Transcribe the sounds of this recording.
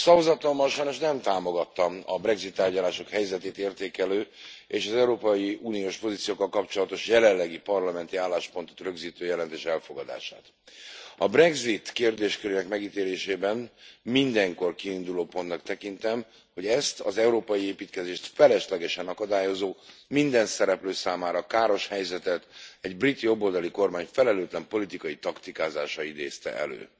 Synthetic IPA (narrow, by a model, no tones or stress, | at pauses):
sɒvozɒt̪omːɒlʃɒjno̞ʃnɛmt̪aːmo̞ɡɒt̪ːɒmɒ̰brɛɡzit̪ːaːrɟɒlaːʃo̞khɛjzɛt̪eːt̪eːrt̪eːkɛløːeːʃɒzɛuɾoːpɒjiuːnijoːʃpo̞zit̪sijoːkːɒlkɒpt͡ʃo̞lɒt̪o̞ʃjɛlɛlːɛɡipɒrlɒmɛnt̪iaːlːaːʃpo̞nt̪ot̪rø̞ɡziːt̪øːjɛlɛnt̪eːʃɛlfo̞ɡɒd̪a̰ːʃa̰ːt̪ | ɒbrɛɡzit̪keːrd̪eːʃkøɾeːnɛkmɛɡit̪eːɾeːʃeːbɛnmind̪ɛŋko̞rkiːnd̪uloːpo̞nt̪nɒkt̪ɛkint̪ɛm | ho̞ɟɛst̪ɒzɛuɾoːpɒjieːpiːt̪kɛzeːʃt̪fɛlɛʃlɛɡɛʃɛnɒkɒd̪aːjo̞zoːmind̪ɛnsɛɾɛpløːsaːmaːɾɒkaːɾo̞ʃhɛjzɛt̪ɛt̪ɛɟbrit̪ːijo̞bːo̞ld̪ɒliko̞rmaːɲfɛlɛløːt̪lɛmpo̞lit̪ikɒjit̪ɒkt̪ikaːzaːʃɒid̪ḛːst̪ɛ̰ʔɛ̰lø̰ː